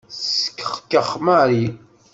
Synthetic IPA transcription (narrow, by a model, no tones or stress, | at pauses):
sə̥kːəχkːəχmaɾi